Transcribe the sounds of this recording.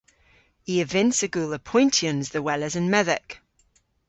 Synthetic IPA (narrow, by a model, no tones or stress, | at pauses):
iəvɪ̃nsəɡuːlˠəpʰɔ̃ɪ̃ntʰiə̃nzðəwɛləzə̃nmɛðək